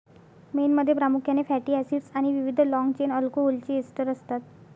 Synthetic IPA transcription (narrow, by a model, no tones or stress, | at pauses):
menməd̪ʱːjepɾamukʰjanefæʈiːæsiɖsaɽ̃iʋiʋid̪ʱlɔŋɡt͡ɕenəlkoɦolt͡ɕiːesʈəɾəst̪at̪